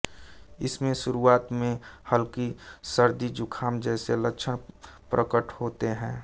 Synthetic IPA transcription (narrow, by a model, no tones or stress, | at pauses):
ɪsmẽʃʊɾuaːt̪mẽhəlkisəɾd̪id͡ʒʊkʰaːmd͡ʒɛːseləkʃʰənpɾʔəkəʈhoːt̪eɦɛ̃ː